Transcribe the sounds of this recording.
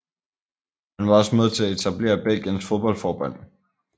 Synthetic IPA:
hænʋɑ̈ɒ̽səmeð̞ˠt͡sʰe̝æe̝t͡sʰæb̥le̝̰ːɐb̥el̰ɡ̥jənsfo̝ð̞ˠb̥ɒ̽l̰fɒːb̥ɒn̰̥

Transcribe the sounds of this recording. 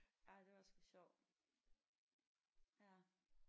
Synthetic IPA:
æd̥e̝ʋsɒɕɒʊ̰̥ | jæ

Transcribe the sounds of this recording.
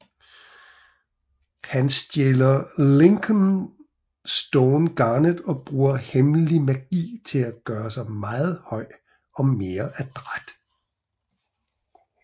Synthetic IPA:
hænsd̥jelɐle̝ŋkʰən | sd̥ɔʊnɡ̥ɑ̈ːnəðˠɒ̽b̥ʁuːɐhemlimæɡ̥ḭːt͡sʰe̝læɡ̥ɶːɐsɑ̈ɪmɑ̈ːð̞̩ˠhɒ̽ɪ̰ | ɒ̽me̝ːɐʔæd̥ʁad̥

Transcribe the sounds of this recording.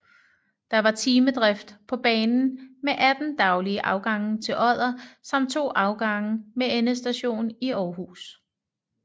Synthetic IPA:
d̥ɑ̈ʋɑ̈t͡sʰiːməd̥ʁɛfd̥pʰɒ̽b̥ɛːnn̩meʔæd̥n̩d̥ɑ̈ʊliəʔɑ̈ʊɡ̥ɑ̈ŋn̩t͡sʰe̝lʔɒð̰ˠɐsɒ̽m̰d̥̚t͡sʰo̝̰ːʔɑ̈ʊɡ̥ɑ̈ŋəmeenəsd̥æɕo̝̰ːniɒːɦuːs

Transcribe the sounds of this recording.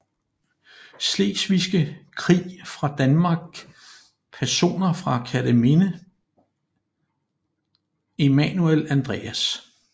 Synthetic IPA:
sle̝̰ɡ̥sʋisɡ̥əkʰʁḭːfʁɑ̈d̥ænmɑ̈ɡ̥̚ | pʰæɐso̝̰ːnɐfʁɑ̈kʰæd̥əme̝nə | e̝mænuelænd̥ʁɛ̰ːæs

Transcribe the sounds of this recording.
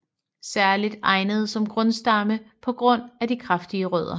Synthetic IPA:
sæɐlid̥ɑ̈ɪnəð̞̩ˠsɒ̽mɡ̥ʁɔ̽nsd̥ɑ̈məpʰɒ̽ɡ̥ʁɔ̽n̰æd̥ikʰʁɑfd̥iəʁœð̞ˠɐ

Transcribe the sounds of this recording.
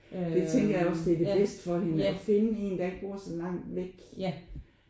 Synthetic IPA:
d̥e̝t͡sʰeŋ̰ɡ̥ɐjɑɒ̽sd̥e̝ɐd̥e̝b̥esd̥ə̥fɒ̽he̝nəɒ̽fe̝nəe̝̰ːnd̥ɑ̈e̝ɡ̥̚b̥o̝ɐ̰sɒ̽lɑ̈ŋ̰d̥ʋeɡ̥

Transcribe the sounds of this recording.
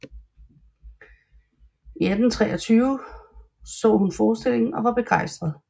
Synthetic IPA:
iæd̥n̩t͡sʰʁɛːɒ̽t͡sʰyːʊ | sɔ̰̽ːhunfɒːsd̥e̝le̝ŋn̩ɒ̽ʋɑ̈b̥e̝ɡ̥ɑ̈ɪ̰sd̥ʁɐð̞ˠ

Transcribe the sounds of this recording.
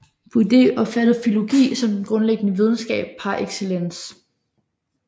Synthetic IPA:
b̥ʰud̥e̝ʔɒ̽fæd̥əð̩ˠfilo̝ɡ̥ḭːsɒ̽md̥enɡ̥ʁɔ̽nleɡ̥ənəʋið̞ˠn̩sɡ̥ɛ̰ːb̥̚hɑ̈ʔeɡ̥selen̰s

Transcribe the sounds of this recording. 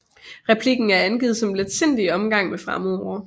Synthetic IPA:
ʁɛpʰliɡ̥n̩æɐænɡ̥iːð̞̩ˠsɒ̽mleðˠsen̰d̥iɒ̽mɡ̥ɑ̈ŋ̰mefʁɑ̈moɐ

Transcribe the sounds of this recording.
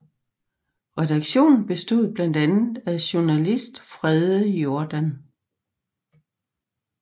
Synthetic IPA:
ʁɛd̥ɑ̈ɡ̥ɕo̝̰ːnn̩b̥e̝sd̥o̝ð̰ˠb̥lænd̥ænð̩ˠæɕonælisd̥fʁɛðˠəjo̝ɐd̥æn

